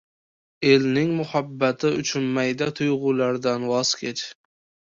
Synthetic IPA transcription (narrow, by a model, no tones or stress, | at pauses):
e̞lnɪŋmʊhabːat̪ʰɪʊ̰t͡ʃʰʊnmajd̪at̪ʰʊjʁʊːlaɾd̪anwɒz̥kʲʰe̞t͡ʃ